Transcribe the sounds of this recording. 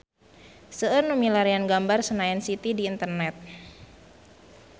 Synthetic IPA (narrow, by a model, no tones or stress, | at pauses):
səənumilaɾianɡambarsənajɛnsit̪idiːnt̪ərnɛt̪̚